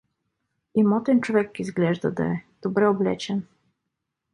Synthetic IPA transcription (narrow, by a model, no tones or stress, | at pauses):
imɔt̪ɛnt͡ʃovɛkːizɡlʲɛʒd̪ɐd̪a̰ɛd̪̥obɾɛoblʲɛt͡ʃɛn